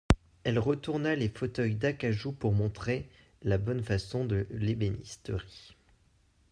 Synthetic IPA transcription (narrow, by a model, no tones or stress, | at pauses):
ɛlʁət̪uʁnalefot̪œjd̪akaʒupuʁmɔ̃t̪χe | labɔnfasɔ̃d̪əlebenḭst̪øʁi